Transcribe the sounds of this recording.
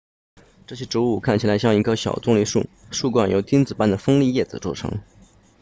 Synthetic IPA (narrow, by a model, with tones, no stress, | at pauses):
ʈ͡ʂɤ˥˩ɕɛ˥ʈ͡ʂu˧˥u˥˩kʰa˥˩nt͡ɕʰi˩la˧˥ɪɕjɑ˥˧ŋi˧˥˩kʰə˥ɕjɑ̰˨˩ʊt͡sʊ˥˧ŋli˥u˥˩ | ʂu˥˧kwa˥˩njo˧˩ʊt̪ʰi˥nt͡sɹ̩˨˩pa˥˩nd̪ə˩fɤ˥ŋli˥˧jɛ˥˩d͡zɹ̩˨˩t͡swɔ˥˩ʈ͡ʂʰɤ̰˧˥ŋ